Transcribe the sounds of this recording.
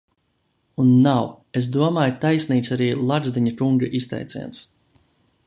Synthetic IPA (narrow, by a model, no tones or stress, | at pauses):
unːaw | es̬d̪uɔmaːjt̪ajsniːt̪saɾiːlˠaɡzd̪iɲakuŋɡaʔist̪ɛ̰jt̪sɛ̰jns